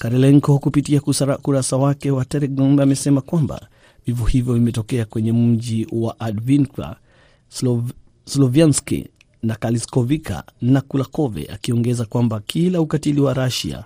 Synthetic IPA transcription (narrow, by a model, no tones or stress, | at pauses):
kaɾɛlɛŋkɔkupitiakusaɾkuɾasawakɛwatɛɾɛɡɔmbɛamɛsɛmakwamba̰ | vivɔhivjɔvimɛtɔkɛakwɛɲɛm̩ʄiwaʔadvinka̰ | slɔvanskḭ | nakaliskɔvikʰa̰nakulakɔvɛ̰ʔa̰kiɔŋɡɛzakwambakʰilaukatiliwaɾaʃḭa̰